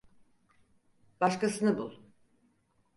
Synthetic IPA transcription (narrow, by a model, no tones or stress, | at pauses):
b̥aʃkasɯnɯbulˠ